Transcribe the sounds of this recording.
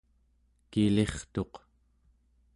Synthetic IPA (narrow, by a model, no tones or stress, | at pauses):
kile̞χt̪o̞q